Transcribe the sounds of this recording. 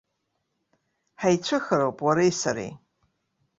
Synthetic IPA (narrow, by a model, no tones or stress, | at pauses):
ħajt͡ɕʷʰɨxaɾowpʼwaɾajsaɾḛj